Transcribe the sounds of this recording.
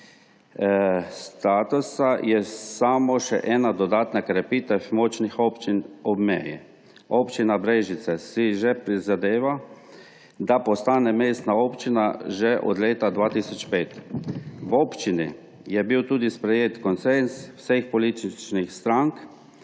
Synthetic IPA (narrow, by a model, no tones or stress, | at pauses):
st̪aːt̪usajɛsaːmɔʃɛ̰ʔɛːnad̪ɔd̪aːt̪nakɾɛpiːt̪ɛfmɔt͡ʃnixopt͡ʃinɔbmɛːjḭ | oːpt͡ʃinabɾeʒit̪sɛsiʒɛpɾizad̪eːʋa | d̪apɔst̪aːnɛmeːst̪naopt͡ʃinaʒɛʔɔ̰d̪leːt̪ad̪ʋaːt̪isɔt͡ʃpeːt̪ | woːpt͡ʃini | jɛbiwt̪uːd̪ispɾɛjeːt̪kɔnsenswsexpɔlit̪it͡ʃnixst̪ɾaŋk